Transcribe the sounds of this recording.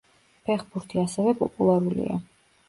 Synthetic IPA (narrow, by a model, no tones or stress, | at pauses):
pʰɛχbuɾt̪ʰiasɛvɛpʼɔ̰pʼulˠaɾulḭa̰